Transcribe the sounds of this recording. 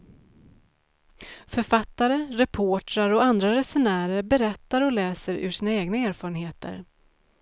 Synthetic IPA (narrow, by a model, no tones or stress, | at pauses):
fœɾfat̪ːaɾəɾɛpʰoːʈɾaɾɔand̪ɾaɾɛsɛnæːɾəɾbɛɾɛt̪ːaɾɔlɛːsəɾʉ̰ʂiːnaeːɡnaeːɾfɑːɾənɦeːt̪ə̰ɾ